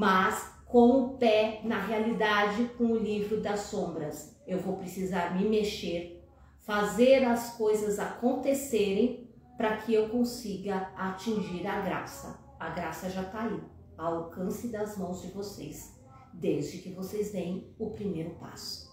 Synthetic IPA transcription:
mɐskõw̃ʊpɛnɐɦealid̪ad͡ʒɪkõw̃ʊlivɾʊd̪ɐsõbɾɐsewvowpɾesizaɾmɪmeʃeɾ | fazeɾɐskojzɐzakõnt̪eseɾẽj̃ | pɾɐkʰɪewkõsiɡɐat͡ʃĩʒiɾɐɡɾa̰sɐ̰ | ɐɡɾasɐʒat̪ai | aawkɐ̃sɪd̪ɐzmɐ̃w̃zd͡ʒɪvoses | d̪ezd͡ʒɪkɪvosejzvẽj̃ʊpɾimejɾʊpa̰sʊ̥

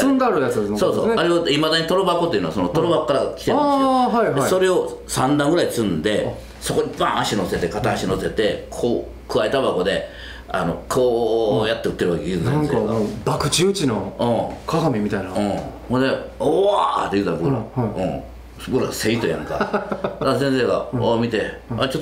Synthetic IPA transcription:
ɨ̃nd̪aaɾɯjat͡sɨd̪essoːso̰aɾead̪imad̪aɲ̟it̪o̞ɾobako̞t̪ːe̞iɯ̟noasonot̪o̞ɾobakːaɾakʲi̥t̪eɦaihd̪eiso̞ɾe̞o̞sãnd̪ãŋɡɯɾaisɨ̃nd̪e̞ | so̞ko̞ɲibãaɕino̞se̞t̪e̞kat̪aːɕino̞se̞t̪e̞kʰoː | kɯβaet̪abako̞d̪e̞ | ano̞̰kʰoːjat̪ːe̞ɯ̟t̪ːe̞ɾɯakeiɯsẽseeabakɯ̟̥t͡ɕiːt͡ɕinoɯ̃ːkaɡamʲimʲit̪ainaɯ̃ː | ond̪eoat̪ejɯ̟ːt̪abokɾaɯ̃ | boɾase̞it̪ojã̰ŋka̰d̪as̬ẽɰ̃s̬e̞ːɡa̰omʲit̪e̞at͡ɕot̪ː

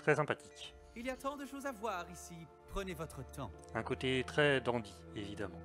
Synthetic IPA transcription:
t̪χɛsɛ̃pat̪i̥k | iliat̪ɑ̃d̪əʃozavwaːʁisi | pχənevɔt̪χət̪ɑ̃ | ɛ̃kot̪et̪χɛd̪ɑ̃d̪ievid̪amɑ̃

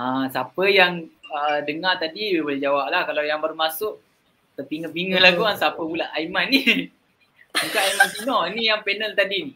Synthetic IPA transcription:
asapəjaŋədəŋart̪adiboled͡ʒawap̚lahkalawjaŋbərmasʊʔ | t̪əpiŋəpiŋəlakuansapəpulaʔajmanːi | ukaʔajmant̪inɔnijaŋpɛnəlt̪adini

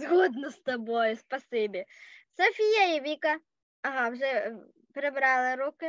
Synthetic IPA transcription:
zɣɔd̪nʊst̪ɐbɔjʊspɐsɪbʲɪsɐfʲijɐiʋʲikɐ | ɐɦɑwʐɛ | pɾɪbɾɑlˠɪɾukɪ

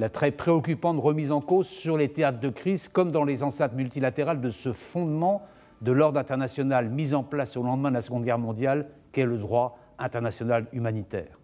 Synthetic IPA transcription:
lat̪χɛpχeɔkʲypɑ̃t̪ʁəmizɑ̃kozsyʁlet̪eat̪χd̪əkχizkɔmd̪ɑ̃lezɑ̃sɛ̃t̪mylt̪ilat̪eʁald̪əsəfɔ̃d̪mɑ̃ | d̪əlɔʁd̪ʁɛ̃t̪ɛʁnasjɔnalmizɑ̃plasolɑ̃d̪mɛ̃d̪əlasəɡɔ̃d̪ɡʲɛʁmɔ̃d̪jalkʲɛləd̪ʁwa | ɛ̃t̪ɛʁnasjɔnalymanit̪ɛ̰ːʁ

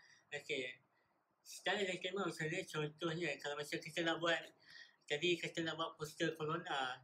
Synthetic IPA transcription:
oke | sə̥t̪aɾadakeməmat͡ʃalɲət͡ʃɔnt̪ɔhɲə̃kalamasakit̪ənaʔbuat̪̚t̪abikat̪ənabuat̪̚pɔst̪əkolona

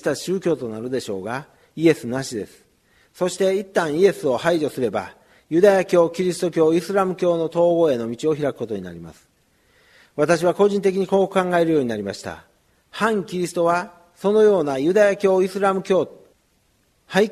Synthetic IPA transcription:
t̪aɕɨːkʲo̞ːt̪o̞naɾɯ̟d̪e̞ɕo̞̰ːɡa | ie̞sɨnaɕid̪e̞̰sɨ̥ | so̞ɕi̥t̪e̞it̪ːãɰ̃ie̞sɨo̞haiʑo̞sɨɾe̞ba̰ | jɯ̟d̪ajakʲo̞ːkʲiɾʲisɨ̥t̪o̞kʲo̞ːisɨɾamɯ̟kʲo̞ːno̞t̪o̞ːɡo̞ːe̞no̞mʲit͡ɕio̞çiɾakɯ̥ko̞t̪o̞ɲina̰ɾʲima̰sɨ̥ | βat̪aɕ̬iβ̞ako̞ʑĩnt̪e̞k̬ʲiɲ̟iko̞ːkɯ̥kãŋɡae̞ɾɯjo̞ːɲ̟inaɾʲimaɕi̥t̪a̰ | hãŋkʲiɾʲisɨ̥t̪o̞βa | so̞no̞jo̞ːnajɯ̟d̪ajakʲo̞ːisɨɾamɯ̟kʲoː | hai

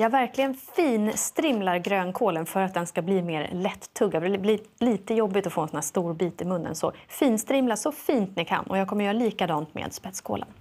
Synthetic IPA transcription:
jɑːɡvæɾklɪɡənfiːnst̪ɾɪmlaɾɡɾøːnkʰoːlənfœɾat̪̚d̪ɛnskabliːmeːɾlɛt̪ʰːɵɡːafblɪliːt̪əjɔbːɪt̪ɔfoːɛnsɔnhæːʂt̪uːɾbiːt̪ɪmɵnːə̰nsɔ̰fiːnst̪ɾɪmlaʂɔfiːnt̪nɪkʰa̰nːʔɔjɑːɡkʰɔmːəɾjœːɾaliːkad̪ɑːnt̪mḛːd̪spɛt̪skʰo̰ːlə̰n

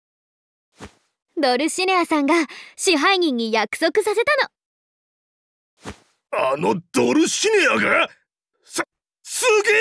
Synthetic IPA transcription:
d̪o̞ɾɯ̟ɕinʲeasãŋɡaɕiɦaiɲ̟ĩɲ̟ːijakɯ̥so̞kɯ̟sase̞t̪ano̞ | anod̪̥oɾɯ̟ɕinʲeaɡa | s | sɨɡe

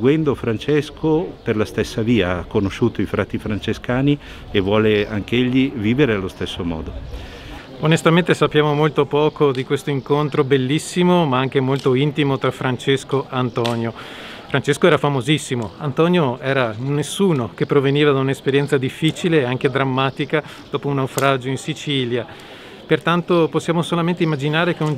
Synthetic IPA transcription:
ɡwɛnd̪ofɾant͡ʃɛskoperlast̪esːaviːaakːonoʃuːt̪oifɾa̰ːt̪ifɾant͡ʃeskaːni | evwɔːlea̰ŋk̟eʎːiviːveɾealːost̪esːomɔ̰ːd̪o | onest̪amẽnt̪esapːjaːmomolt̪opɔːkod̪ikwest̪oiŋkont̪ɾobelːisːimomaaŋk̟emolt̪oint̪imot̪ɾafɾant͡ʃeskoʔant̪ɔːnjo | fɾant͡ʃeskoɛːɾafamozisːimoant̪ɔːnjoɛːɾanːesːuːnok̟epːɾoveniːvad̪aunaespeɾjɛnt̪sad̪ifːiːt͡ʃileːaŋked̪ɾamːaːt̪ika | d̪̥ɔːpounawfɾad͡ʒoinsit͡ʃiːlja | pert̪ant̪oposːjaːmosolament̪eimːad͡ʒinaːɾekeon

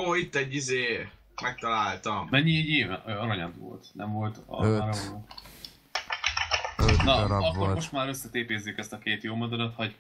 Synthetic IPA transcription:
oːit̪ːɛɟːizeː | mɛk̚t̪ɒlaːlt̪ɒmmɛɲːiɛɟeːvɛøɒɾɒɲɒd̪ʋo̰lt̪nɛɱvo̞lt̪ɒ̰ɾo | ønɒɒkoɾmoʃt̪maːɾøsːɛt̪eːpeːzːekɛst̪ɒkeːt̪joːmod̪ɛd̪ɛt̪hɒɟ

